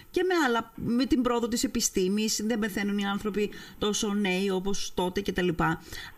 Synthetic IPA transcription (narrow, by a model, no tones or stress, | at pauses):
ce̞me̞ɐlɐme̞t̪imbɾooðo̞t̪ise̞pist̪imisðembeθe̞nuniɐnθɾo̞pit̪o̞so̞ne̞io̞po̞st̪o̞t̪e̞ce̞t̪ɐlipɐ